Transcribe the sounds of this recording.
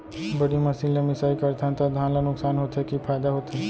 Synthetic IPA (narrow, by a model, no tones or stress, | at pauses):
bɐɽimɐsiːnlemɪsaːikɐɾt̪ʰãt̪ad̪ʱãːnlanʊksaːnɦoːt̪ɦekipʰaːd̪aɦoːt̪ɦeː